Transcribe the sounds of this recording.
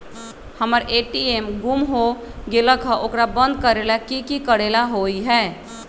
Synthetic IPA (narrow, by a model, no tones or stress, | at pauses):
həməɾeʈiemɡumɦo | ɡeləkʰə̃ʔokɾabə̃nd̪̚kəɾelakikikəɽelaɦoiɦɛː